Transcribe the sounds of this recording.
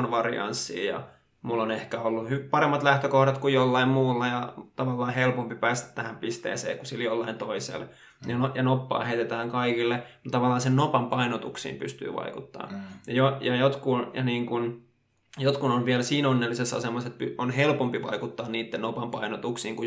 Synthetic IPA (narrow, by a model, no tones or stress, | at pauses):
nʋɑrḭɑ̰nsːḭːjɑ̰ | mulːonehkæolːuhypɑɾemːɑt̪læht̪økohɾɑt̪kujjolːɑimmuːlːɑjɑt̪ɑʋɑlːɑːhelpompipæːst̪æ̥t̪t̪ːæhæmpist̪ḛːsḛːkusiljolːɑint̪oisḛl | jɑnojɑnopːɑ̰ːheit̪et̪æːŋkɑikilːemut̪t̪ɑʋɑlːɑːnsennopɑmpɑinot̪uksḭːmpy̰st̪y̰ːʋɑ̰ikut̪ːɑ̰ːjɑjojɑjot̪kunjɑniːŋkun | jot̪kunonʋiælsiːnonːelːisesɑ̰semːɑset̪̚pyonhelpompiʋɑ̰ikut̪ːɑːnniːt̪ːenopɑmpɑinot̪uksiːŋku